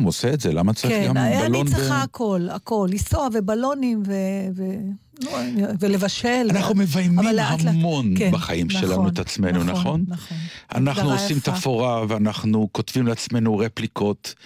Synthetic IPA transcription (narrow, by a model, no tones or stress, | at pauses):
moseːtzelamat͡sɐʁiɡambalont͡siχaakʰo̞lako̞lːisoavebalo̞nimveve | nuvele̞vaʃelanaχnumevajmialːeaamo̞nbaχajimʃelanuet̪at͡smenunaχo̞nɐonʔa̰naχnuosimt̪afoʁaveanaχnuko̞t̪vimleat͡sme̞nuʁeplikʰo̞t̪